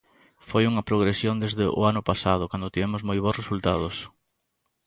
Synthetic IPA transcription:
fojuŋɐpɾoɣ̞ɾesjond̪ezðɪʔʊ̰anʊpasað̞ʊkand̪ʊt̪iβɛmʊzmojβ̞osresult̪að̞ʊs

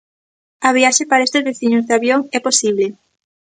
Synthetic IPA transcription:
aβ̞iaʃepaɾaest̪ezβeθiɲozðeaβjoŋɛposiβ̞le

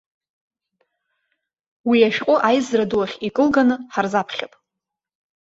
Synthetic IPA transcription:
wiaʃᶣqʼʊʔajzraduwaχʲikʼɨlɡanɨħarzapʰχʲapʼ

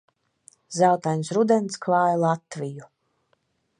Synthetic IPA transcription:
zawt̪ajnsɾud̪ɛnt̪skvaːjlˠat̪viju

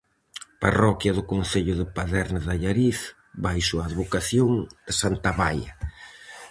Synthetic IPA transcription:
parɔkjɐðʊkon̟θeʎʊðɪpaðɛɾnaðaʎaɾiθ | βajsʊaːðβokaθjoŋd̪̥ɪsant̪aβajɐ̰

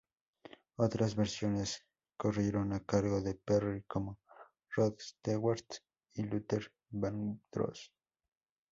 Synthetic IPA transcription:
ot̪ɾazβeɾsjones | korjeɾonakaɾɣo̞ðeperikʰomo | roðst̪eweɾt̪ | ilut̪eɾ | band̪ɾo̰s

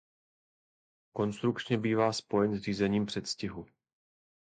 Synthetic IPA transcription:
ko̞nst̪ɾukt͡ʃɲɛbiːvaːspo̞jɛnzr̝iːzɛɲiːmpr̥ɛt̪scɪɦu

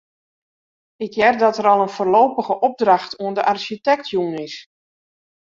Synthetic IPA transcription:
ɪkjɛrdɔtəɾɔlˠənfoːrloːpəɣəʔɔb̚drɑxtʰuəndəʔarʃitɛktʰjuːnɪs

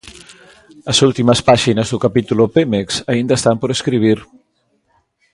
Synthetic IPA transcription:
əzulˠt̪iməspaʒinəzðukapit̪ulupemeksaind̪əst̪ampoɾəskɾiβ̞iɾ

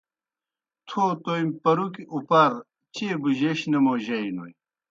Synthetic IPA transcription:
t̪ʰot̪ojmpɐɾukiupɐɾ | t͡ɕebuʑeɕnemoʑɐjno̰j

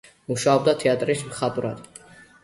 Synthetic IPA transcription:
muʃaɔb̚d̪at̪ʰɛat̪ʼɾismχat̪ʼuɾad̪̥

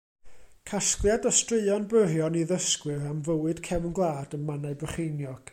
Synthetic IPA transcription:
kʰasklˠjadɔstrɨɨɔnbrərjɔniðəskwɨramvəwɨd̥kʰɛvnɡlˠaːdənmanaɨbrəχejnjɔɡ̥

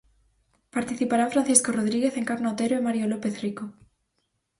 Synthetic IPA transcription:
paɾt̪iθipaɾaɱfɾãnθiskoroðɾiɣeθeŋkaɾnot̪eɾoemaɾjolopeθriko

